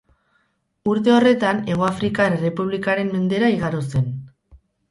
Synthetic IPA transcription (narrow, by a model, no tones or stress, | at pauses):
uɾt̪e̞o̞re̞t̪ane̞ɣ̞o̞afɾikaere̞puβlikaɾe̞mːe̞nd̪e̞ɾaiɣaɾose̞n